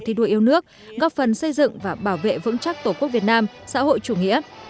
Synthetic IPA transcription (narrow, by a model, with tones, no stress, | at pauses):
t̪ʰi˧˩ɗu˨˧˩jʔi˧əwnɨ˦˥ək̚ | ɣɔ˦˥p̚fə˨˩nsə˧jzɨ̰˧˨ŋvaː˨˩ɓaː˧˩wvḛ˧˨vɨ̰˧˥ŋt͡ɕa˦˥k̚t̪o˧˩ku˦˥ək̚vi˨˩ət̚naː˧m | sa̰ː˧˥ho̰˧˨jt͡ɕu˧˩ŋḭ˧˥ə